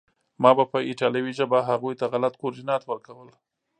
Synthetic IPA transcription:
mɑbapəɪʈɑljawiʒabaɦaɣujt̪aɣalat̪koɾdɪnɑt̪wəɾkawəl

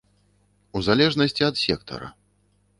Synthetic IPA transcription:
uzalʲɛʐnɐsʲt͡sʲiɐt̪sʲɛ̰kt̪ʰɐ̰ɾɐ̰

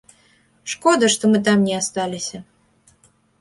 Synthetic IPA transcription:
ʂkɔd̪ɐʂt̪ɔmɨt̪̬amnʲɛast̪alʲisʲɐ

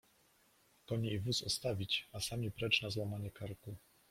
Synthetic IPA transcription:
kɔɲɛivusɔ̰st̪avʲit͡ɕasamʲipɾɛt͡ʂnazwamaɲɛkaɾku

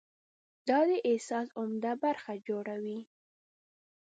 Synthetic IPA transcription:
d̪ɑd̪əʔɪsɑsʊmd̪abaɾxad͡ʒoɽawi

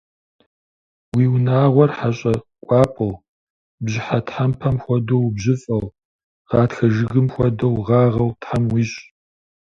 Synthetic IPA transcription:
wiːwnaːʁʷɔrħaɕʼɐkʷʼɑːpʼɨw | bʑɪħatħampʰɐmxʷɔdowbʑɪfʼɐw | ʁɑːtxɐʒɨɣɨmxʷɔdɐwʁɑːʁɐwtħamwiːɕʼ

